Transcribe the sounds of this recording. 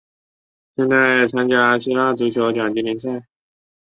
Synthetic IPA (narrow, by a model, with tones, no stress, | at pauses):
ɕjɛ˥˧nt͡sa˥˩ɪt͡sʰa˥nt͡ɕja˥ɕi˥la˥t͡su˧˥t͡ɕʰjo˧˥ʊt͡ɕja˨˩ŋt͡ɕi˧˥mi˧˥ns̬a˥˩ɪ